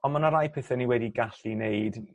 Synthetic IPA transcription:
ɔnmanaɾajpʰɪθɛniwɛdiɡaɬinejd

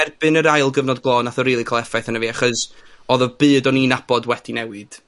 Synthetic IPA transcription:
ɛrbɨnəɾajlˠɡəvnɔd̚ɡlˠɔːnaθɔɾiːlˠɨkʰɔlˠɛfajθanəviːaχɔsɔðɔvbɨːdɔninab̥ɔdwɛd̥inɛwɨd̥

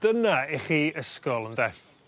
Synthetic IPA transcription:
d̥ənaɪχiːəskɔlˠəndɛf

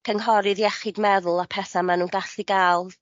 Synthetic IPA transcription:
kʰəŋɦɔɾɨðjɛχɪdmɛðʊlˠapʰɛθamanuːnɡaɬiɡalˠ

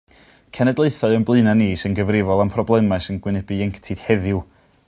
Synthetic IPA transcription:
kʰɛnɛdlˠeɨθɔɨənblˠɨnaniːsɪnɡəvrɪvɔlˠampʰrɔblˠɛmasɪnɡwɪnɛbɨɛŋktʰid̥hɛðɪw

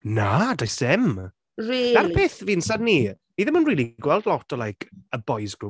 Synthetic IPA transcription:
nadajsɛm | riːaɾpʰeːθviːnsadni | niðɛmənriːlˠiɡwɛlˠdlˠɔtʰəlajkʰəbɔjsɡɾu

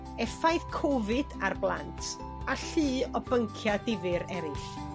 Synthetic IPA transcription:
ɛfajðkʰɔvɨda̰rblˠa̰ntʰ | aɬɨːɔbəŋkʰjadɪvɨɾɛɾɪɬ

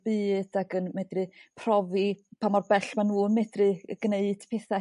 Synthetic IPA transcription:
bɨːd̥aɡənmɛdrɨpʰrɔvipʰamɔrbɛɬmanuːənmɛdrɨɡ̥neɨd̥pʰɛθa

